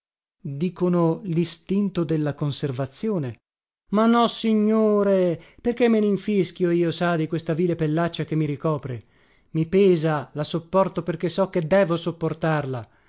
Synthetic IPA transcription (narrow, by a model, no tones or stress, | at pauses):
d̪iːkonolist̪int̪od̪elːakonservat̪sːjoːne | manːɔsiɲːoːɾeperkemːeniɱfiskjoiːosad̪ikwest̪aviːlepelːat͡ʃːak̟emːiɾikɔːpɾe | mipɛːzalasopːɔrt̪operk̟esɔk̟ːed̪ɛːvosopːort̪arla